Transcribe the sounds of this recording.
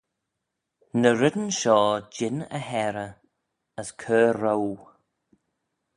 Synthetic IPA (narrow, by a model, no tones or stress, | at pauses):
nəɾɪd̪ənʃɔːd͡ʒɪnə̰ɦɛɾə | əskʰøːɾow